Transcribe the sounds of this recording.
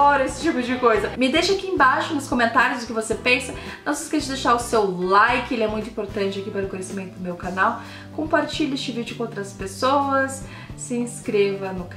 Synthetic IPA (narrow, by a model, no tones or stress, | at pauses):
ɔɾɐesɪ̥t͡ʃipʊd͡ʒɪkojzɐmɪd̪ejʃɐakiẽbaʃʊnʊskomẽnt̪aɾjʊzd̪ʊkɪvosepẽsɐnɐ̃w̃sɪ̥sket͡ʃɪd̪ejʃaɾʊsewlajkɪelɪɛmũj̃t̪ʊĩpoɾt̪ɐ̃nt͡ʃɪakipaɾʊkõjɲesimẽnt̪ʊd̪ʊmewkanaw | kõmpaɾt͡ʃiʎest͡ʃɪvid͡ʒʊkõowt̪ɾɐspesowɐsː | ɪĩskɾevɐnʊk